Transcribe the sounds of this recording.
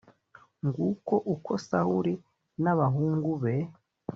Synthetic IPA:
ŋɡuko̞ʔukʰosahuɾi | naβaɦuːŋɡuβe

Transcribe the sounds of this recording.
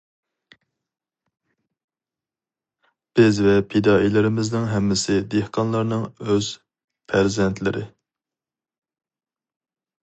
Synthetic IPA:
b̥ɪzvɛpʰed̪ɑːilɪɾɪmɪznɪŋɦɛmːɪsɪd̪ehqʰɑnlˠɑɾnɨŋøz̥ | pʰæɾzɛnt̪ʰlɪɾɪ̰

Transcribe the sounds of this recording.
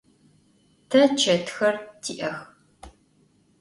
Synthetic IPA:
tʰɐt͡ʃʰɐtxɐrtʰiːʔɐx

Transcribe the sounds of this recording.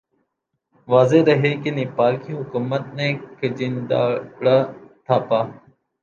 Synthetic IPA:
ʋaːzeːɾəɦeːkɪniːpaːɾkiːɦʊkuːmət̪nẽːkʰəd͡ʒind̪a̰ːɽaːt̪ʰaːpaː

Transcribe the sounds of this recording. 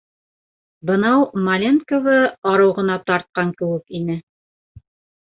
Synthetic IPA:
bɤ̆nɑwmalʲenkovɤɑɾɤ̆wʁɤ̆nɑt̪ɑɾt̪̚qɑŋkɘ̆wɘkinɘ

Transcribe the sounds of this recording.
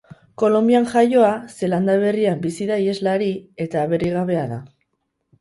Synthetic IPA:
ko̞lo̞mbiaŋʝajo̞ase̞land̪aβ̞e̞riambisiðaie̞zlaɾie̞t̪aːβe̞riɣ̞aβe̞aða

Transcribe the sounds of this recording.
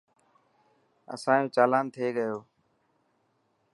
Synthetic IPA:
ə̰sãːjõːt͡ʃaːlaːnt̪ʰeːɠəjoː

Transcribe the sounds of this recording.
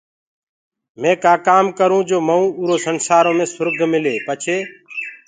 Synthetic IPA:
mẽːkaːkaːmkəɾũːd͡ʒoːməũːuːɾoːsənsaːɾõːmẽːsʊɾɡʱmɪleːpət͡ʃʰeː

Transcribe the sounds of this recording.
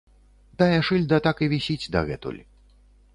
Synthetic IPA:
d̪ajɐʂɨlʲd̪ɐt̪akɨvʲisʲit͡sʲd̪ɐ̰ɣɛ̰t̪ṵlʲ

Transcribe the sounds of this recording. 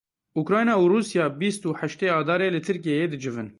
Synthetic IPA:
ukɾɑːjnɑːuruːsijɑːbist̪uːħæʃt̪eːɑːd̪ɑːɾeːlɨt̪ʰɨɾk̬ijejeːd̪ɨd͡ʒɨvɨn

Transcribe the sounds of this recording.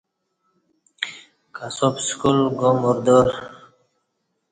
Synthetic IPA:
kasopskulɡomuɾd̪oɾ

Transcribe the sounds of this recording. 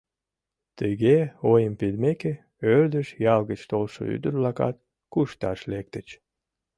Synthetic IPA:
t̪əɣeojəmped̪meke | ørd̪əʃjɑlɣət͡ɕt̪olʃo̰y̰d̪ərlɑkɑ̰t̪̚ | kuʃt̪ɑʃlek̚t̪ət͡ɕ

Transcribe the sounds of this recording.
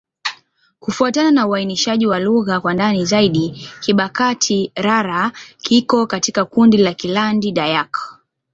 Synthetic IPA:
kufuatananauainiʃaʄiwaluɣakwandanizaiɗikiɓakatʰiɾaɾakikɔkatikakundilakilandiɗajak

